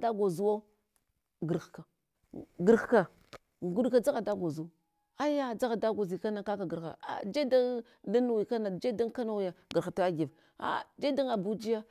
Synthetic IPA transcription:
da˦ɡo˨zu˦wa˦ | ɡə˨ɾxka˨ | ɡə˨ɾka˨ | ɡu˦ɗka˨d͡za˦ɣa˨da˦ɡo˨zu˨˦ | a˦ja˦d͡za˦ɣa˨da˦ɡo˨zi˨ka˦na˨ka˦ka˨ɡə˨ɾxa̰˨a̰˨d͡ʒe˦da˦ | da˦nu˨wi˨ka˦na˨d͡ʒe˦da˦ŋ˦ka˦na˦˨wja˨ɡə˨ɾxa˨ta˦a˦ɡi˨v | a̰˨d͡ʒe˦da˦ŋa˨bu˦d͡ʒi˦ja˦

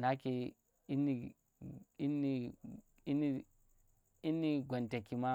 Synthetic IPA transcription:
na˦ki˨ | i˦nːi˨ | i˦nːi˦ | ni˦ | i˦nːi˦ɡʷo˨nte˨ki˨ma˦

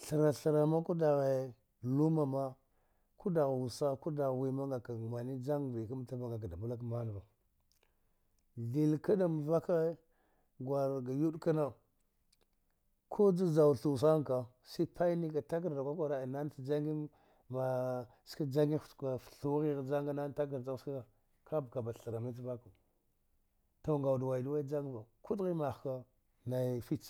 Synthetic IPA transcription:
ɬə˨ɾa˨ɬə˨ɾa˨ma˦ku˦da˨ɣe˨ | lu˦ma˨ma˦ | ku˦da˨ɣwu˨sa˦ku˦da˨ɣwi˨ma˦ŋɡa˨ka˨ma˨ni˦d͡ʒa˦ŋvi˨ka˦m˨ta˦va˨ŋɡa˨k̬a˨da˨bu˦la˦k̬ma˦n˨va˨ | ɮi˨lka˦ɗa˨m˨va˦ka˦ | ɡwa˨ɾɡa˨ju˦ɗka˦na˦ | kʰo˦d͡za˦za˨wɬu˨s̬a˦ŋka˨ | si˦pʰa˦jni˦ka˨ta˦k̬a˨ɾda˨kʷa˦kʷa˨ɾa˨i˨na˦n˦i˨d͡ʒa˦ŋɡi˦ | ma˨ | ska˦d͡ʒa˦ŋɡi˦˨a˨fɬu˦ɣi˦ɣd͡ʒa˦ŋɡa˦na˦n˦ta˦k̬a˨ɾa˦ska˦a˨ | ka˦bka˨ba˨ɬa˨ɾa˨mi˦t͡s̬va˦ku˨ | to˨ŋɡa˨wdwa˨i˨du˦wa˦i˦d͡ʒa˦ŋɡva˨ku˦dɣi˦ma˨xka˦ | na˨jfi˦t͡ʃ

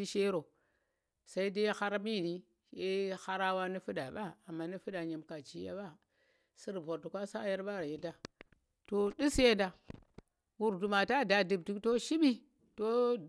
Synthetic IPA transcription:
i˦ʃe˦ɾo˨ | sa˨i˦de˦jxa˦ɾa˦mi˦˨ni˦ | e˦ha˦ɾa˦wa˦ni˦fu˦ɗa˨ɓa˦a˨mːa˦ni˦fu˦ɗa˨ɲe˨mka˨t͡ʃi˦ja̰˦ba˦ | si˦ɾbo˨ɾtu˨kʷa˦sa˦ja˦ɾɓa˦˨ɾje˨da˦ | to˨di˦sje˦da˨ | wu˨ɾdu˨ma˨ta˦˨da˨di˨b̚ti˦kto˦ʃi˦ɓi˦ | to˦

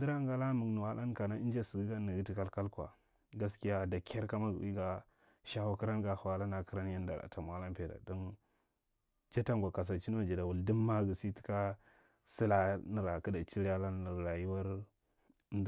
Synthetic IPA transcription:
di˦ɾa˦ŋɡa˦la˦mu˨ŋnu˨wa˦la˦nka˨na˦i˦d͡ʒa˦si˨ɡi˦ɡa˦ni˨ɡi˦ti˨ka˦lka˦lkʷa̰˨ | ɡa˦ski˦ja˦da˨kʰʲa˦ɾka˦ma˦ɡṵ˨i˦ɡa˦ | ʃa˦wa˦ki˦ɾa˦nɡa˦hwa˦la˦na˨kə˦ɾa˦nja˦n˦da̰˨la̰˨ta˨m˨a˦la˦npe˨da̰˨do˦n | t͡ʃa˦ta˦ŋɡa˨ka˨s̬a˨t͡ʃi˦n˦o˦˨d͡ʒi˨da˨wu˨ldi˦mːa˦ɡə˨si˦ti̥˦ka˦ | si˦la˦nə˨ɾa˨ki˦da˨t͡ʃi˦ɾa˦la˦nə˨ɾa˨ji˦wa˦ɾ | n˦d

